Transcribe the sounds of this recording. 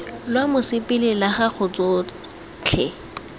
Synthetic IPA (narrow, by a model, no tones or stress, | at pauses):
lwamʊsɪpʼɪlɪlaχak͡xʰʊt͡sʼo | t͡ɬʰɛ